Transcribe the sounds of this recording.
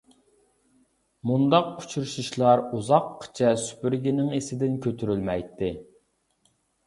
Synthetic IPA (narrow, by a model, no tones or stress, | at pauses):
mund̪ɑq̚u̥t͡ʃʰuɾʃuʃlˠɑɾuzɑqʰːə̥t͡ʃʰɛsy̥pyɾɡʲinɪŋesɪd̪ɪnkʲʰøt̪ʰyɾylmɛjt̪ʰːɪ